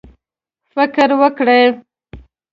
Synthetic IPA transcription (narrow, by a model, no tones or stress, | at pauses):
fɪkɾwəkɽəj